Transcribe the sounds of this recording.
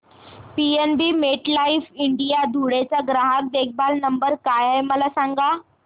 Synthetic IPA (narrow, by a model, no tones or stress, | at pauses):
pienbiːmeʈlaifiɳɖijad̪ʱuɽet͡saɡɾaɦak̚d̪ek̚ʰbalnəmbəɾkajajməlasaŋɡa